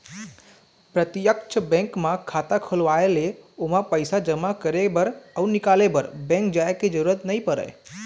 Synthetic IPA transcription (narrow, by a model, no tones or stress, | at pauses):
pɾət̪ɪjəkt͡ʃʰəbɛ̃ŋkmãkʰaːt̪akʰolʋaeleomãpəɪsad͡ʒəmakəɾebəɾəʊnɪkaːlebəɾbɛ̃ŋk̚d͡ʒaːekid͡ʒəɾuɾət̪nəĩpəɾə̰j